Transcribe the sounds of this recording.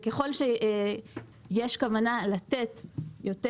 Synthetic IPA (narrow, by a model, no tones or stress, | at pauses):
keχo̞lʃe | jeʃkavanalat̪et̪jote